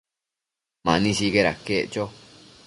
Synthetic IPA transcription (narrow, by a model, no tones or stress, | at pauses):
mã̰nĩsikeɾa̰keʔt͡ʃo